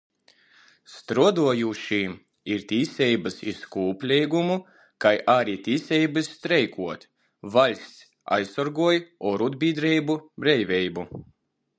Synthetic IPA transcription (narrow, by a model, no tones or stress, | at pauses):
st̪ɾuɔd̪uɔjuʃiːm | iɾt̪ʲiːsʲɛjbɨsiskuːpʲlʲɛjɡumu | kajʔaɾit̪ʲiːsʲɛjbɨssːt̪ɾɛjkʰuɔt̪ | valʲsʲ | a̰jsɔɾɡuɔjɔɾud̪bʲiːd̪ɾɛjbubɾɛjvʲɛjbu